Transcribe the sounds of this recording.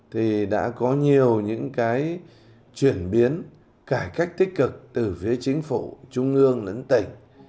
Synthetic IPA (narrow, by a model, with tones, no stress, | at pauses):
t̪ʰi˨˩ɗa̰ː˧˥kɔ˨˦ɲi˨˩əwɲɨ̰˧˥ŋkaː˨˦j | t͡ɕwi˧˩ənɓi˨˦ən | kaː˧˩kaː˦˥jk̟̚t̪ï˦˥k̟̚kɨ˨˩k̚t̪ɨ˨˩fi˨˦ət͡ɕï˨˦ŋ̟fu˧˩t͡ɕʊ˧ŋ͡mʔɨ˧əŋlə̰˧˥ŋt̪ï˧˩ŋ̟